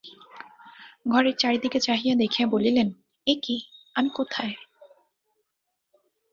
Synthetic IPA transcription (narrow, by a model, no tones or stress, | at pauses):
ɡʱɔɾeɾt͡ɕaɾid̪iket͡ɕaɦijad̪ekʰiabolilen | ekiamikot̪ʰae